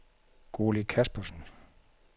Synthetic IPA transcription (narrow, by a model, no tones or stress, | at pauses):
ɡ̥o̝ːlikʰæsb̥ɐsn̩